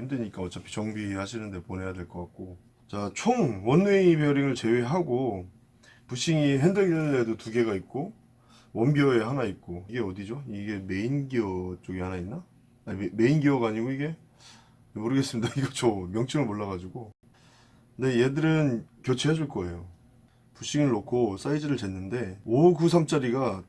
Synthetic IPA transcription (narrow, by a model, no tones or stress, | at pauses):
ndeɲik͈aʌt͡ɕ͈apʰi̥t͡ɕʌŋbihaɕʰinɯnde̞pone̞jade̞ɭk͈ʌk͈ak̚k͈o | t͡ɕat͡ɕʰoŋwʌnːeipeʌɾiŋɯɭt͡ɕe̞weɦaɡo | puɕ͈ʰiŋiɦendɯɡinɯndedotuɡe̞ɡait̚k͈o | wʌnbjʌe̞ɦanait̚k͈oiɡe̞ʌdid͡ʑoiɡe̞me̞inɡiʌt͡ɕ͈oɡihanainːa | ame̞inɡiʌɡaɲiɡoiɡe̞ | moɾɯɡe̞s͈ɯmidaiɡʌt͡ɕʌmjʌŋt͡ɕ͈ʰiŋɯɭmoɭːaɣad͡ʑiɡo | knde̞je̞dɯɾɯnkjʌt͡ɕʰeɦed͡ʑuɭk͈ʌe̞jo | puɕ͈iŋɯɭːokʰos͈aid͡ʑɯɾɯɭt͡ɕe̞nːɯnde̞oɡusʰamt͡ɕ͈aɾiɡa